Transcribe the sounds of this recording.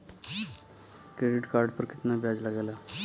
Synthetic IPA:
kɾeɖiʈkaɾɖpəɾki̥t̪nabjad͡zlaɡajla

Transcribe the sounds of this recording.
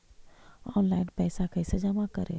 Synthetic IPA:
ɔnlainpɛjsakəjsed͡ʒəmakəɾḛ

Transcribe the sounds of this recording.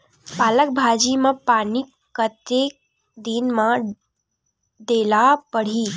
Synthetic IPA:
paːlək̚bʱad͡ʒimãpaːni | kət̪ek̚ | d̪inmã | ɖ̪elapəɽ̤i

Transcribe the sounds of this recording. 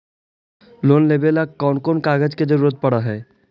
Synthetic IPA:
loːnleːbelakɔːnkoːnkaːɡəd͡ʒked͡ʒəɾuːɾət̪̚pɐɽaɦɛː

